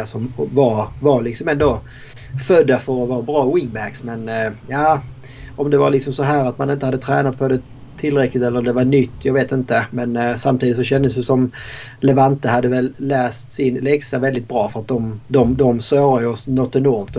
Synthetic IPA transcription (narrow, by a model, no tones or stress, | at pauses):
asɔmvaɾvaɾlɪksɔmɛnd̪o | fœd̪ːafœɾɔvɑːɾabɾɑːwɪŋbæksmɛnjaː | ʔɔmd̪ɛvaɾlɪksɔmsɔɦæːɾat̪manɪnt̪əhad̪ːət̪ʰɾɛːnat̪̚pʰɔd̪ɛ | t̪ʰɪlːɾɛklɪt̪ɛləɾɔmd̪ɛvaɳʏt̪ʰːjɑɡveːt̪ɪnt̪əmɛnsamt̪ʰiːd̪ɪt̪sɔɕɛnd̪əsjəsɔm | lɛvant̪əhad̪ːəvɛlːæːst̪sɪnlɛksavɛld̪ɪt̪̚bɾɑːfœɾat̪̚d̪ɔmd̪ɔmd̪ɔmsøːɾajɔsnɔt̪ːɛnɔɾmt̪